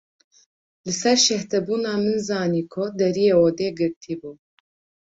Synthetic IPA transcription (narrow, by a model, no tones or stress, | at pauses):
lɨsɛɾʃɛht̪ɛbuːnaːmɨnzaːniːkʰʊd̪ɛɾijeːɔd̪eːɡɨɾt̪ʰiːbuː